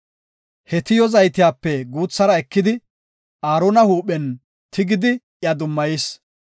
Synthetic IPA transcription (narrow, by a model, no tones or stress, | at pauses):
hɛt̪ɪjɔzɐjt̪ɪjaːpːɛɡuːt͡sːɐɾɐɛkːɪd̪ɪ | ʔaːɾonɐhuːɓɛn | t̪ʰɪɡɪd̪ɪ | jɐd̪ʊmːɐjis